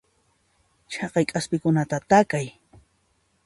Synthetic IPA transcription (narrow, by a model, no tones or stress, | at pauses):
t͡ʃʰɑqɑjkʼaspɪkʊnat̪at̪akaj